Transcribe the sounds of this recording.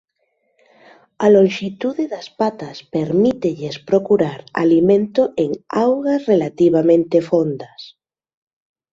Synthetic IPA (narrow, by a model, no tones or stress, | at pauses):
alõŋʃit̪uðeðaspat̪aspeɾmit̪eʎespɾokuɾaɾa̰limẽnt̪oʔeŋawɣasrelat̪iβ̞amẽnt̪efond̪as